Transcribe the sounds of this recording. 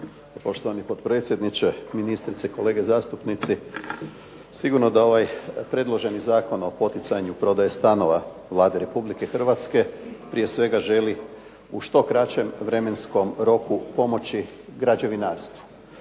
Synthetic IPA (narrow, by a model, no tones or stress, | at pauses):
po̞ʃt̪oʋanipo̞t̪pɾe̞ːt̪sʲje̞d̪nit͡ʃeminist̪ɾit̪seiko̞le̞ːɡezaːst̪upnit̪si | siɡuɾno̞d̪ao̞ʋajpɾe̞d̪lˠo̞ʒe̞nizaːko̞no̞po̞t̪it̪saɲupɾo̞d̪ajest̪ano̞ʋa | ʋlˠaːd̪e̞ɾe̞publike̞xr̩ʋat̪ske̞pɾie̞sʋe̞ɡaʒe̞li | uʃt̪o̞kɾat͡ʃe̞mʋɾe̞me̞nsko̞mɾo̞kupo̞mo̞t͡ɕi | ɡɾad͡ʒe̞ʋinaːɾst̪ʋu̥